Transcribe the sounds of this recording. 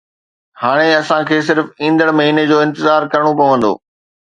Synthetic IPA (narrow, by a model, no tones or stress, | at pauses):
haːɽ̃eɐsãkʰeːsɪɾfĩːnd̪əɽmɐɦiːned͡ʑoːɪ̃nt̪ɪzaːɾkɐɾəɽ̃opɐʋə̃nd̪o̰ː